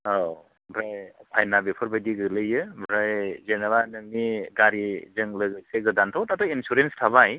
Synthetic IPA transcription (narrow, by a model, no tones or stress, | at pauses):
o | bɾajpʰajnabepʰɯɾbajdiɡɯlɯjɯbɾajzenabanɯŋniɡaɾizɯŋlɯɡɯjseɡɯdantʰawtatɔinsuɾenstʰabaj